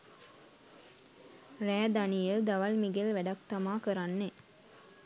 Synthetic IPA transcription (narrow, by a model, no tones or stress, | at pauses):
ræːd̪anijəd̪aʋɐlmiɡelʋæɖɐk̚t̪ɐmaːkəɾanːe